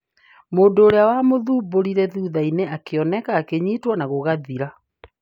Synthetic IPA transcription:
moːndoːɾeawamoðuːboɾiɾɛðuːðaineakeɔnɛkaːkeɲitwɔnaɣoɣaðiɾa

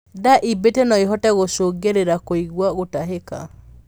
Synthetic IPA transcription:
daʔibetɛnɔeɦɔtɛɣosoɡeɾeɾakoiɣwaɣotaɦeka̰

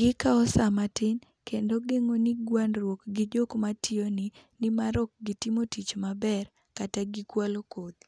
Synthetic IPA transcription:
ɡɪkaɔsamatɪn | kendoɡeŋonɪɡwanɾwokɡɪd͡ʒokmatʰɪonɪnɪmaɾɔk̚ɡɪtimotit͡ʃmabɛr | kataɡɪkwalokod̪

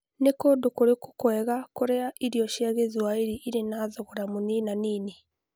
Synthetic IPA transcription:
nekodokoɾeko̥kwɛɣakoɾeaʔiɾiɔʃiaɣezwaiɾiʔiɾenaːðɔɣɔɾamoninaniːne

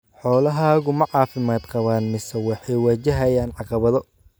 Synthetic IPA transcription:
ħɔːlɐɦaːɣʊmɐʕɑːfɪmaːd̪qɑβaːnmɪsɐwɑħɑjwɐt͡ʃɐɦɐjaːnʕɑqɑβɐðɔ

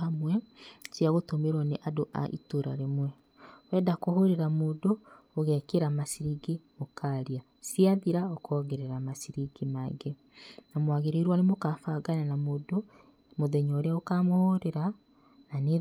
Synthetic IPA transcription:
amwɛsjaɣotomeɾwaneʔadoʔa̰ʔḭtoɾa̰ɾemwɛ | wɛːdakoɦoɾeɾamoːdoː | ɣɛkeɾamasiɾiɡemokʰaɾia | siaðiɾaokʰɔɣeɾeɾamasiɾiɡimaŋɡe | namwaɣeɾeiɾwanemokafaɡananamoːdo | moðɛɲɔɾeaokamohoɾeɾa | nane

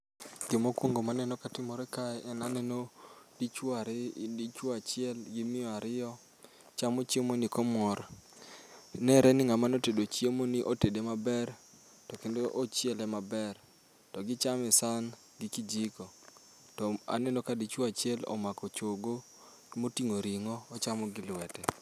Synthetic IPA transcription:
ɡɪmokwoŋɡomanɛnɔkatɪmɔɾɛkaɛʔɛnanɛnodit͡ʃaɾit͡ʃoat͡ʃɪɛlɡɪmɪɔaɾɪɔ | t͡ʃamot͡ʃemonikɔmɔɾ | nɛɾʔɛnɪŋamanotedot͡ʃiemoniʔotedemabɛr | tɔkendoʔot͡ʃjɛlɛmabɛr | tɔɡɪt͡ʃamɛsan | ɡɪkid͡ʒikɔ | tɔa̰nɛnokadit͡ʃwoat͡ʃɛlɔ̰makɔt͡ʃoɡo | motiŋoɾiŋɔːt͡ʃamɔɡɪlwɛtɛ

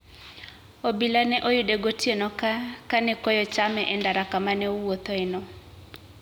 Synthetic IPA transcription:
obilanɛʔojudeɡotjenɔkakanɛkɔjɔt͡ʃamɛʔɛndaɾakamanɛowot̪ɔɛnɔ

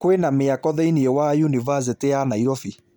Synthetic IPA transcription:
kwenameakɔðɛiniɛwajunivas̬eteanaiɾɔfi

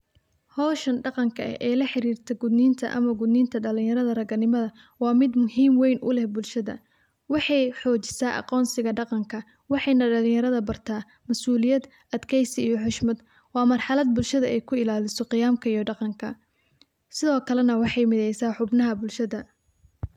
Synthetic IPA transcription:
hɔːʃɐnɖɑqɑŋkʰɐɐ̰ʔɛːlɐħɪɾiːrt̪ʰɛɡʊd̪niːnt̪ʰɐʔɐ̰mɐɡʊd̪niːnt̪ʰɐɖɐlɪ̃ŋjɐɾɐðɐrɐɣɐnɪmɐðɐ | wɑːmɪd̪mʊhiːmwɛjnʔʊ̰lɛhbʊlʃɐðɐ̰ | wɑħɑjħɔːt͡ʃɪ̥saːʔɑ̰qɔːnsɪɣɐɖɑqɑŋkʰɐ | wɑħɑjnɐɖɐlɪ̃ŋjɐɾɐðɐbɐrt̪ʰaː | mɐsuːlɪjɐd̪ | ʔɐd̪kʰɛjsɪijɔħʊʃmɐd̪ | wɑːmɐrħɑlɐd̪̚bʊlʃɐðɐɛjkʰʊɪlaːlɪsɔqɪjaːmkʰɐijɔɖɑqɑŋkʰɐ | sɪðɔːkʰɐlɛnɐwɑħɑjmɪðɛjsaːħʊbnɐɦɐbʊlʃɐðɐ

